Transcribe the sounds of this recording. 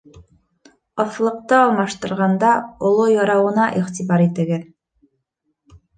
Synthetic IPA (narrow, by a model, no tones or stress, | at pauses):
ɑθlˠɤ̆q̚t̪ɤɑlˠmɑʃt̪ɤ̆ɾʁɑnd̪ɑŏlˠojɑɾɑwɤ̆nɑʔiχt̪ʲiβɑɾit̪ɘ̆ɡɘð